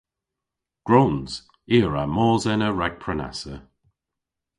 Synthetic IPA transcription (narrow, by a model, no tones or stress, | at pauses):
ɡ̥ɹownz̥ | iːəɹamɔːzɛnəɹɛɡ̚pʰɹɛna̰sə